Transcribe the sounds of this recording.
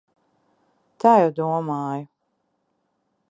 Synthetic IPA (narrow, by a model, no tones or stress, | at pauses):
t̪aːjɛwd̪uɔmaːju